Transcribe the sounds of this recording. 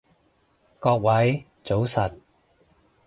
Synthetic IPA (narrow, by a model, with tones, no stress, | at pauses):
kɔː˧k̚wɐ˨˥j | t͡so˨˥wsɐ˨t̚